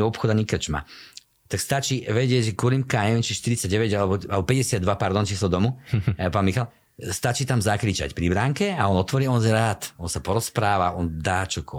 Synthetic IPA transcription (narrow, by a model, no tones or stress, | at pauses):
ɔpxɔd̪aɲikr̩t͡ʃma̰ | t̪akst̪at͡ʃiːʋɛɟɪɛɟʒɛkʊɔlimkanɛɛnt͡ʃiʃt̪iɾit͡saɟɟɛʋɛɟalɛbɔalɛbɔpɛɟɛsɪad̪ʋapaɾd̪ɔnt͡ʃiːslɔd̪ɔmupaːnmixal | st̪at͡ʃiːt̪amzakɾit͡ʃa̰cpɾibɾaŋkɛaɔnɔt̪ʋɔɾiːɔnzɛɾaːt̪ɔnsapɔɾɔspɾaːʋaʔɔnd̪aːt͡ʃɔkɔ